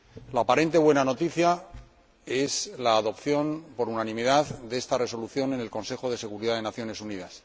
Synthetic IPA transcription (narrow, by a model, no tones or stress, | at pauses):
laːpaɾe̞nt̪e̞βwe̞nano̞t̪iθja | e̞slaːðo̞pθjo̞npo̞ɾunanĩmið̞aðd̪e̞st̪are̞so̞luθjo̞ne̞ne̞lkõ̞nse̞xo̞ðe̞se̞ɣ̞uɾiðaðe̞naθjo̞ne̞suniðas